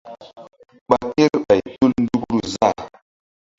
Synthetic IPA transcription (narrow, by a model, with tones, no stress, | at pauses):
ɓa˨ke˦ɾɓa˨jtu˦ln̩˦du˦kɾu˨za˦˨